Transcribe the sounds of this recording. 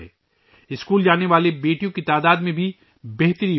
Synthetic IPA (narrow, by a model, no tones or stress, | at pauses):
eː | ɪskuːld͡ʒaːneʋaːlebeːʈijõkit̪aːd̪aːd̪mẽbʱi | beɦt̪əɾĩː